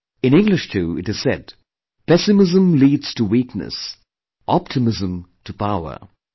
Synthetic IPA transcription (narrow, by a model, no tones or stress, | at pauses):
ɨ̃nɪ̃ŋɡlɪʃtʰʉɨɾɨz̥sɛ̰d̚ | pɛsɨmɪzə̃mliːdz̥tʰəwiknə̰s | ʔɑp̚tʰɨmɪzə̃mtʰəpaʊə̰˞